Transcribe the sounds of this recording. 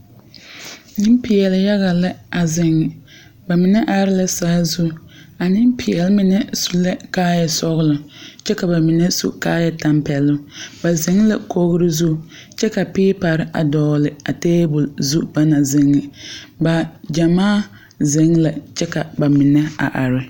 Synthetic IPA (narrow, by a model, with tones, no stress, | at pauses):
nɪ˦mpɪ˨jɛ˨lɪ˨ja˦ɣa˨la˦a˨zɪ˨ŋːɪ˨ | ba˨mɪ˨nɛ˦ʔa˨ɾɪ˦la˦saː˦zu˦ | a˨nɪ˦m˦pʰɪ˨jɛ˨lɪ˦mɪ˦nɛ˦su˨lɛ˦kaː˦jɛ˨sɔ˦ɣɪ˦lʊ˨t͡ʃɛ˦ka˨ba˨mɪ˨nɛ˦sṵ˦kaː˦jɛ˨ta˨mpɛ˨lʊ˦ba˨zɪ˨˦ŋ˦la˨ko˦ɣɾɪ˦zu˦˨ | t͡ʃɛ˦ka˨pɪː˦pa˨ɾɪ˦ʔa̰˨dɔː˦lɪ˨a˨teː˦bʊ˨lzu˦ba˦na˨zɪ˨ŋːɪ˨ba˨d͡ʒa˨maː˦ | zɪ˦ŋla˨t͡ʃɛ˦ka˨ba˨mɪ˨nɛ˦a̰˨ʔa˨ɾɪ˦